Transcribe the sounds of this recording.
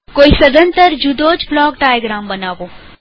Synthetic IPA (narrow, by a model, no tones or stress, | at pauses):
koːisɐd̪ə̃nt̪əɾd͡ʒud̪oːt͡ʃblɔːk̚ɖaːjɡɾaːmbɐnaːʋoː